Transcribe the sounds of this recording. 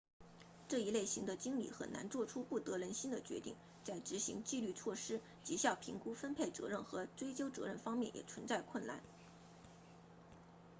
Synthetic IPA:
ʈ͡ʂɤ˥˩i˧˥le˥˩ɪɕi˧˥ŋd̪ə˧t͡ɕi˥ŋlḭ˨˩xə̰˨˩nna̰˧˥nt͡swɔ˥˩ʈ͡ʂʰu˥pu˥˩t̪ɤ˧˥ɻə˧˥nɕi˥nd̪ə˨t͡ɕɥɛ̰˧˥t̪ḭ˥˩ŋ | t͡sa˥˩ɪʈ͡ʂɻ̩˧˥ɕḭ˧˥ŋt͡ɕi˥˧ly˥˧t͡sʰwɔ˥˩ʂɻ̩˥ | t͡ɕi˧˥ɕjɑ˥˩ʊpʰi˧˥ŋku˥fə˥npʰe˥˩ɪt͡sɤ̰˧˥ɻə˥˩nxɤ˧˥ʈ͡ʂwe˥ɪt͡ɕjo˥ʊt͡sɤ̰˧˥ɻə˥˩nfɑ˥ŋmjɛ˥˩njɛ̰˨˩t͡sʰwə˧˥nt͡sa˥˧ɪkʰwə˥˩nla̰˥˩n

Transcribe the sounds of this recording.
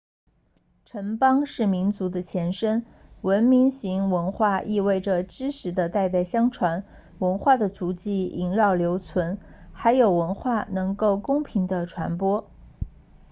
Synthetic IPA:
ʈ͡ʂʰə˧˥npɑ˥ŋʂɻ̩˥˩mi˧˥nt͡su˧˥d̪ə˧t͡ɕʰjɛ˧˥nʂə˥n | wə˧˥nmi˧˥ŋɕi˧˥ŋwə˧˥nxwa˥˧ʔi˥˧we˥˩ɪʈ͡ʂə˩ʈ͡ʂɻ̩˥ʂʰɻ̩˧˥d̪ə˧t̪a˥˧ɪt̪̬a˥˩ɪɕjɑ˥ŋʈ͡ʂʰwa˧˥n | wə˧˥nxwa˥˩d̪ə˩t͡su˧˥t͡ɕi˥˩i˧˥ŋɻɑ˥˩ʊljo˧˥ʊt͡sʰwə˧˥n | xa˧˥ɪjo˨˩ʊwə˧˥nxwa˥˩nɤ˧˥ŋko˥˩ʊkʊ˥ŋpʰi˧˥ŋd̪ə˧ʈ͡ʂʰwa̰˧˥npwɔ˥

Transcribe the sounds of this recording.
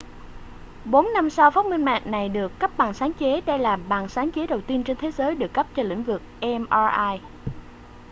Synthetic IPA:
ɓo˨˦nːa˧msa˧wfaː˦˥t̚mï˧ŋma̰ː˧˨ŋna˨˩jɗɨ˨˩əkːə˦˥p̚ɓa˨˩ŋsaː˨˦ŋt͡ɕe˨˦ɗə˧jlaː˨˩ɓaː˨˩ŋsaː˨˦ŋt͡ɕe˨˦ɗə˨˩wt̪i˧ənt͡ɕe˧nt̪ʰe˨˦zəː˨˦jɗɨ˨˩əkːə˦˥p̚t͡ɕɔ˧lḭ̈˧˥ŋ̟vɨ˨˩k̚ʔɛ˧mʔaː˧ʔaː˧j

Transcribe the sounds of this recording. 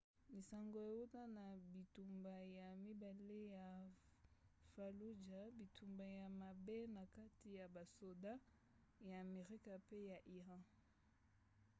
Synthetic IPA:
mi˨sa˨ŋɡo˨e˨wu˦ta˦na˨bi˨tu˨mba˨ja˨mi˦ba˨le˦ja˨ | fa˨lu˦d͡ʒa˨bi˨tʰu˨mba˨ja˨ma˨be˦na˨ka˦ti˦ja˨ba˨so˨da˦ | jaː˨me˨ʁi˦ka˨pe˦ja˨ʔi˨ʁã˦

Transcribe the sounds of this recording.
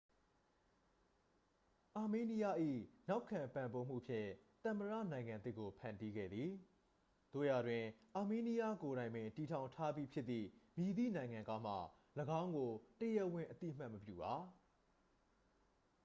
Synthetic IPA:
ʔa˨me˦ni˦ja˦ʔḭ˦˨na˦ʊkʰːã˨mpã˨mbo˦m̥ṵ˦˨pʰjɪ̰̃˦˨t̪ə̃˨məɹä̰˦˨nã˨ɪ̃ŋã˨nt̪ɪ˦kːo˨pʰã˨ndi˦ɡɛ̰˦˨d̪ði˨ | d̪̥o̰˦˨ja˨dwɪ̃˨ʔa˨me˦ni˦ja˦ko˨ɾã˨ɪ̃mɪ̃˨nti˨tʰã˨ʊ̃ntʰa˦bji˦pʰjɪ˦t̪ːḭ˦˨mji˨d̪ḭ˦˨nã˨ɪ̃ŋã˨ŋka˦m̥a̰˦˨ | ləɡã˦ʊ̃ŋɡo˨təjɛ˦wɪ̃˨ʔət̪ḭ˦˨əm̥a˦ʔməpjṵ˦˨ba˨˦

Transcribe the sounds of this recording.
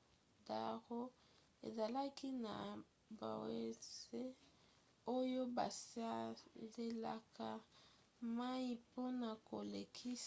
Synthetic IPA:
da˨ʁo˦ | ḛ˨za˨la˦ki˦na˨ | ba̰˨we˨˦se˦ | o˦jo˦ba̰˨sa˦le˦la˨ka˨ | ma˦i˦po˦na˨ko˨le˨kʰi˦s

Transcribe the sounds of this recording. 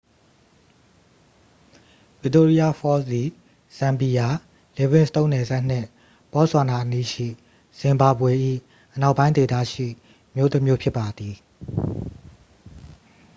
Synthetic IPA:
v̥ɪ˦˨to˦ɹi˦a˦fɔ˦sd̪i˨ | sã˨mbi˨ja˨ | le˨bɪ̃˦˨sə̥t̪õ˦ʊ̃nɛ˨zɛ˦ʔn̥ɪ̰̃˦˨ | pɔ˦swa˨na˨ʔəni˦ʃḭ˦˨ | sɪ̃˨mba˨bwe˨ʔḭ˦˨ | ʔəna˦ʊʔpːã˦ɪ̃nd̪e˨d̪a̰˦˨ʃḭ˦˨ | əmjo˦t̪ə˦mjo˦pʰjɪ˦pːa˨d̪i˨

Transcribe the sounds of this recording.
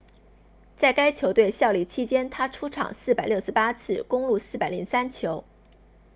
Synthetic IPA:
t͡sa˥˩ɪka˥ɪt͡ɕʰjo˧˥ʊt̪we˥˧ɪɕjɑ˥˧ʊli˥˩t͡ɕʰi˥t͡ɕjɛ˥nt̪ʰa˥ʈ͡ʂʰu˥ʈ͡ʂʰɑ̰˨˩ŋsɹ̩˥˩pa˨˩ɪljo˥˩ʊʂɻ̩˥˩pa˥t͡sʰɹ̩˥˩kʊ˥ŋlu˥˧sɹ̩˥˩pa˨˩ɪlḭ˧˥ŋsa˥nt͡ɕʰjo˧˥ʊ

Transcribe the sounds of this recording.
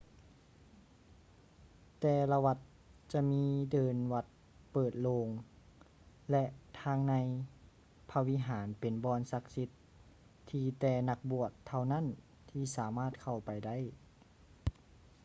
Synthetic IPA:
t̪ɛː˧la˧wa˧t̪̚ | t͡ɕa˧miː˧˥dɤː˨˧nwa˧t̪̚ | pɤː˨˩t̪̚loː˧ŋ | lɛ˧ʔt̪ʰaː˧˥ŋna˧j | pʰa˧wi˧˥˨ɦaː˩˦npe˨˩nbɔː˧˥nsa˧˥k̚si˧˥t̪ʰː | iː˧t̪ɛː˧˩na˧k̚bu˧˨˩ət̪ʰːa˧˩wna˥˨n | t̪ʰiː˧˩saː˨˦maː˥˩t̪̚kʰa˧˩wpa˨jda˥˩˨j

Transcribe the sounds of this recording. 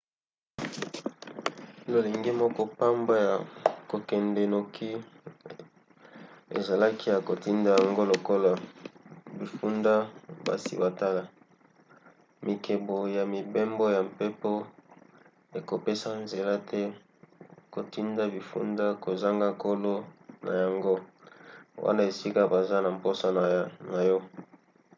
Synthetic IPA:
lo˨le˨ŋɡe˦mɔ˦kɔ˦pa˦mba˦ja˨ko˨kɛ˨ndɛ˨no˨kʰi˦ | ḛ˨za˨la˦ki˦ja˨ko˨ti˦nda˦ja˨ŋɡo˦lo˨ko˦la˨ | bi˨fu˦nda˦ba̰˨sḭ˨ba˨ta˦la˨ | mʔi˨kʰe˨bo˨ja˨mi˨be˦mbo˦ja˨mpe˦po˦ | e˨ko˨pe˦sa˦nze˨la˦tʰɛ˦ | ko˨ti˦nda˦bi˨fṵ˦nda˦ko˨za˦ŋɡa˦ko˦lo˦na̰˨ja˨ŋɡo˦ | wa̰˦na˦e˨si˦ka˦ba˨za˦na˨m˨po˦sa˨na˨jɔ˦

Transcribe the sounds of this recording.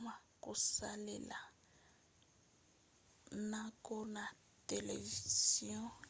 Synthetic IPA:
ma˨kʼu˨salɛ̰˨la˨ | na˦kʼɔ˦na˨ | te˨le˨viziɔ̃˦

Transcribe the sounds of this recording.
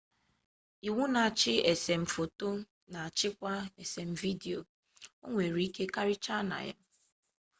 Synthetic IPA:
i˨wu˦na˨a˨t͡ʃɪ˦e˨se˨m̩˨fo˨to˦ | na˨a˨t͡ʃɪ˦kʷa˦e˨se˨m̩˨vi˦di˨o˨ | o˦ŋʷe˨ɾi˦ke˦ka˦ɾɪ˦t͡ʃa˦na̰˨ja̰˦

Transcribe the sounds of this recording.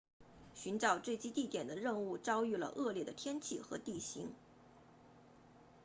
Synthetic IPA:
ɕy˧˥nʈ͡ʂɑ˨˩ʊt͡swe˥˩ɪt͡ɕi˥t̪i˥˩t̪jɛ˨˩nd̪ə˦ɻə˥˧nu˥˩ʈ͡ʂɑ˥ʊy˥˩lə̰˩ʔɤ˥˧ljɛ˥˩d̪ə˩t̪ʰjɛ˥nt͡ɕʰi˥˩xɤ̰˧˥t̪i˥˩ɕi˧˥ŋ

